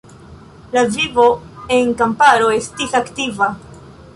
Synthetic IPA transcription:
lavivo̞e̞nkampaɾo̞e̞stisaktiva

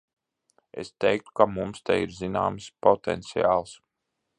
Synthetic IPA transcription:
ḛst̪ɛjk̚t̪u̥kamumst̪ɛjiɾzina̰ːmspɔt̪ɛ̰nt̪sija̰ːlˠs

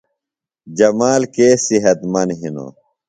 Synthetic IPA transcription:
d͡ʑɐmaːlkeːsiɦɐt̪mɐnɦino̰

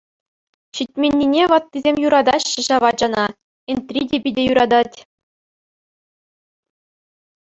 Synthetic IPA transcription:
ɕitʲmʲenʲːinʲeʋɑt̪ːizʲemʲjuɾɑd̪ɑɕːɘ̆ʑɑʋɑd͡ʑɑnɑ | ent̪rʲidʲebʲidʲejuɾɑd̪ɑtʲ

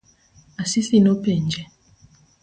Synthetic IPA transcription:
asisinopɛɲd͡ʒɛ

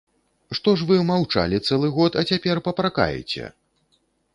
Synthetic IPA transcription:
ʂt̪ɔʂ̬vɨmawt͡ʂa̰lʲit̪sɛlˠɨɣɔt̪ɐt͡sʲapʲɛrpɐpɾaka̰jɛ̰t͡sʲɛ̰

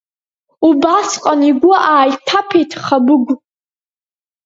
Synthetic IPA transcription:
ubasqʼaniɡʷʊʔaːjtʰapʰetʰχabʊɡʷ

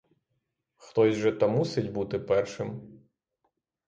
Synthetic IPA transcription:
xt̪ɔzʲʐɛt̪ɐmusɨdʲbut̪ɪpɛrʂɨm

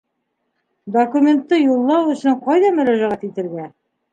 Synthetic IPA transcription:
d̪okumʲent̪ːɤjulˠːɑwɵ̆sɵɴqɑjðɑmɵ̆ɾæʒæʁæt̪it̪ɘ̆ɾɡæ

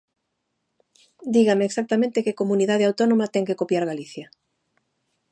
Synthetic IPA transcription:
d̪iɣameeksak̚t̪amẽnt̪ɪkekomuniðað̞eawt̪onõmat̪ɛŋkekopjaɾɣaliθjɐ

